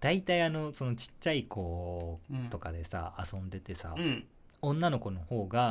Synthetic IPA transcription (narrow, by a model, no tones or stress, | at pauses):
d̪̥ait̪aiano̞so̞no̞t͡ɕi̥t͡ɕːaiko̞ | t̪o̞kad̪e̞sa̰asõ̞nd̪e̞t̪e̞sa̰ | õ̞nːano̞ko̞no̞ho̞ːɡa